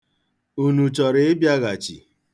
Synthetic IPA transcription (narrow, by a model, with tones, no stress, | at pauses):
u˨nu˨t͡ʃɔ˨ɾɪ˦ɪ˦bja˦ɣa˨t͡ʃḭ˨